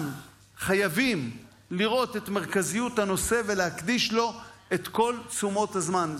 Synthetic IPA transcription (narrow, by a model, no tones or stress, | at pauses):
n | χajavim | liʁo̞t̪et̪me̞ʁkazijuthano̞se̞ve̞lehakd̪iʃlo̞et̪ko̞lt͡sumo̞thazman